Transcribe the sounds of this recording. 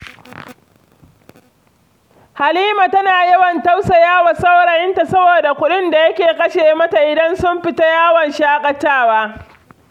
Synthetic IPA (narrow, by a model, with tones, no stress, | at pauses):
ha˨liː˦ma˨tɐ˦naː˨jɐ˦wɐ˨ntɐ˦wsa˨jaː˦wa˨sɐ˦wɽa˨jɪ˦nta˨sɐ˦boː˨da˨kʷʊ˦ɗɪ˦nda˨jɐ˦kʲeː˨kʼɐ˦ʃeː˨mɐ˦ta˨ʔɪ˨dɐ˦nsʊ˦mɸɪ˨ta˦jaː˦wɐ˨nʃaː˦kʼɐ˨taː˦˨waː˦